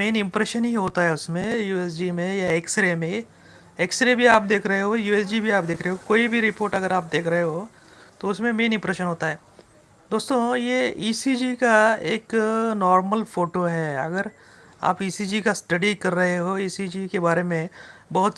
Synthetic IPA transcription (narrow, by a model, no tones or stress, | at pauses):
meːnɪ̃mpɾeːʃənɦiɦoːt̪aɦɛʊsmẽjuːeːs̬d͡ʒimẽjaeːkseɾemẽ | eːkseɾebʱiaːp̚d̪eːkʰɾɐɦeɦojuːes̬d͡ʒibʱiaːp̚d̪eːkʰɾəɦeɦokoːibʱiɾɪpoːɾʈɐɡəɾaːp̚d̪eːkʰɾɐɦeɦoː | t̪oʊsmẽmeːnɪ̃mpɾɛːʃənɦoːt̪aɦɛː | d̪oːst̪õjeiːsid͡ʒikaeːknɔːɾməlfoːʈoɦɛːɐ̰ɡəɾ | a̰ːpiːsid͡ʒikasʈɐɖikɐɾːɐɦeɦoiːsid͡ʒikebaːɾemẽbɐɦʊt̪